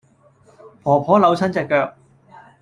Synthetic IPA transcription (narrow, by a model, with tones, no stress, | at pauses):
pʰɔː˨˩pʰɔː˨˥lɐ˨˧wt͡sʰɐ˥nt͡sɛː˧kːœː˧k̚